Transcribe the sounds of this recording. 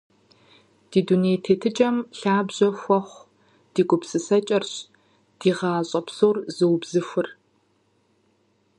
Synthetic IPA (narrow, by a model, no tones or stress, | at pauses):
d̥iːduneːtʰeːtʰɨt͡ʃʼɐmɬaːbʑɐxʷɔχʷ | d̥iːɡʷʼʊpsɨsɐt͡ʃʼɐrɕ | d̥iːʁɑːɕʼɐpsoːrzɨwbz̥ɨxʷʊr